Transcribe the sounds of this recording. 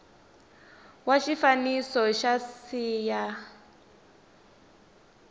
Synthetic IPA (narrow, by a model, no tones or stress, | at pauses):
waʃifanisɔʃasiːja